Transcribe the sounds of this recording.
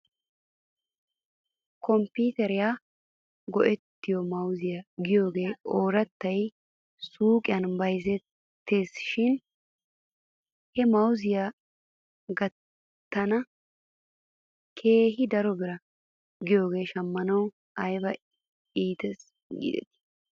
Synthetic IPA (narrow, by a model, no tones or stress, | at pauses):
kɔmpiːt̪ɛɾɪjaː | ɡɔʔɛt̪ːɪjɔmɐwzɪjaɡɪjo̞ːɡe̞ːʔoːɾɐt̪ːɐj | suːkʼɪjɐnbɐjzɛt̪ː | e̞ːsʃɪn | hɛmɐwzɪja | ɡɐt̪ː | ɐnɐ | kʰe̞ːɦɪd̪ɐɾɔbɪɾɐ | ɡɪjo̞ːɡe̞ːʃɐmːɐnɐw | ɐjbɐ | iːt̪ɛs | ɡḭːd̪ɛ̰t̪ɪ̥